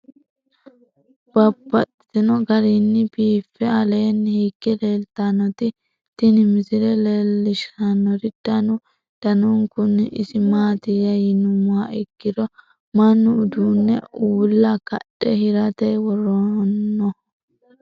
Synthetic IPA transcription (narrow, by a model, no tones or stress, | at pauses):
b̥ɐbːɐt̪ː | ɪnɔɡɐɾinːɪbiːfːɛɐleːnːhiːkːɛleːlt̪anɔt̪ɪ | t̪ɪnɪmɪzɪlɛleːlːɪʃɐnɔɾɪd̪̥ɐnʊ | d̪̥ɐnʊŋkʊnːʔɪsɪmaːt̪ɪjɐjɪnʊmʊaɪɡːɪd̪ɔ | mɐnːʊʊd̪uːnːɛ̰uːlːɐkɐ̰ɗʼɛhɪɾɐt̪ɛjwɔɾɔnːɔ